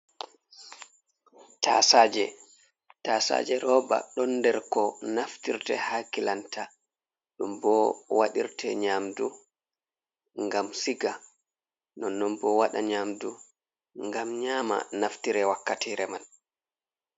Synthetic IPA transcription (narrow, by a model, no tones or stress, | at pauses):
tʰa̰saːd͡ʒɛ | tasa̰ːd͡ʒɛɾɔːba̰ɗɔnːdɛɾkɔnaftiɾtɛhakilanta | ɗumbɔwaɗiɾtʰɛɲaːmdu | ŋɡamsiɡa | nɔnːɔmbɔwaɗaɲamdu | ŋɡamɲaːma̰naftiɾɛwakːatʰiːɾɛmal